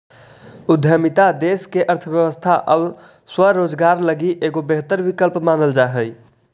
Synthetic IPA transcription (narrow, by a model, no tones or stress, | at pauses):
ud̪ʱjəmit̪ad̪eskeʔəɾt̪ʰəbjəʋəst̪ʰaʔəb | swəɾod͡ʒɡaɾləɡiʔeɡobeɦt̪əɾbikəlpmanəld͡ʒaɦəj